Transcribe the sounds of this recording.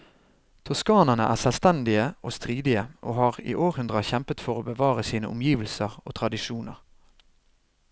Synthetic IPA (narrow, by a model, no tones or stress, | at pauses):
t̪ʰʊskɑːnənə̰ʔæ̰ːsɛlst̪ɛnd̪ɪəʔoːst̪ʁiːd̪ɪəʔo̰ːhɑːʁḭːʔoːʁhʉnd̪ʁəçɛmpət̪fɔʁoːbəʋɑːʁəsiːnə̰ʔʊmjiːʋəl̩səʁo̰ːt̪ʰʁɑd̪ɪʃuːnə̰ʁ